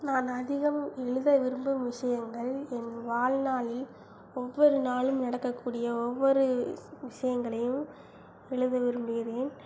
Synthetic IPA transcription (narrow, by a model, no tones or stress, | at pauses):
naːnɐðɪɣɐmɛɻɯðɐʋɪɾɯmbɯmʋɪʂɐjɐŋɡɐɭɛnʋaːlnaːɭɪl | ɔʋːɔɾɯnaːɭɯmnɐɽɐkːɐkːuːɽɪjɐɔʋːɔɾɯʋɪʂɐjɐŋɡɐɭɐjɯm | ɛɭɯðɐʋɪɾɯmbɯɣɪɾeːn